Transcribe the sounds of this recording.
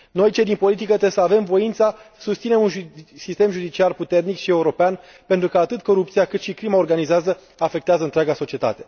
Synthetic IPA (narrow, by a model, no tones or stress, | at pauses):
no̞jt͡ʃed̪inpo̞lit̪ikət̪ɾesəave̞mvo̞int̪sasust̪sine̞munʒsist̪e̞mʒud̪it͡ʃiarput̪e̞rnikʃie̞uɾo̞pean | pe̞nt̪ɾukəat̪ɨt̪ko̞ɾup̚t̪siakɨt̪ʃikɾimao̞rɡanizeazə | afe̞kt̪eazəɨnt̪ɾʲaɡaso̞t͡ʃie̞t̪a̰t̪e̞̥